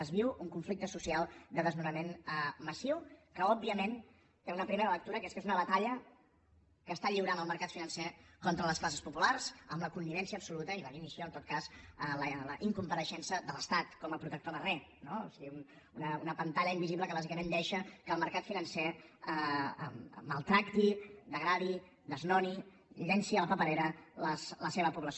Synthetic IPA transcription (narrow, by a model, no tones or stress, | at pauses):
əzβiwuŋkuɱflik̚t̪əsusialˠd̪əðəzmuɾəmenəməsiwkəɔbːiəmen | t̪eunəpɾimeɾələk̚t̪uɾəkɛskezunəβət̪aʎə | kəːst̪aʎiwɾanəlˠməɾkat̪finənsɛkɔnt̪ɾələsklasəspupularzəmləkund̪iβɛnsiəːbsulut̪əiləðimisjoənt̪ot̪kasələləʔiŋkumpəɾəʃɛnsəd̪ələst̪at̪kɔməpɾut̪ək̚t̪oðərɛ | noosiɣiun | unəunəpənt̪aʎəimbiziβləkəβazikəmẽnd̪ɛʃəkəːlˠməɾkat̪finənsɛə̰mmːəlˠt̪ɾakt̪id̪əɣɾaði | d̪əznɔni | ʎɛnsiələpəpəɾeɾələsləseβəpuβləs